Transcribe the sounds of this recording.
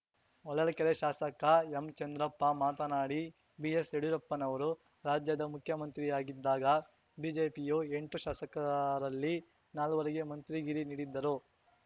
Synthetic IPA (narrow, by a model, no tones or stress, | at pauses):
ɔɭːɐlɐkɛɾeʃaːsɐkɐemt͡ʃɐnd̪ɾɐpːɐmaːt̪ɐnaːɽi | bijeseɽuɾɐpːɐnɐʋɐɾu | ɾaːd͡ʒjɐd̪ɐmukʰjɐmɐnt̪ɾijaːɡid̪ːaːɡɐ | biːd͡ʒeːpijoe̞ɳʈuʃaːsɐkɐɾɐlːi | naːluʋɐɾɐɡe̞mɐnt̪ɾiɡiɾiniːɽid̪ːɐɾu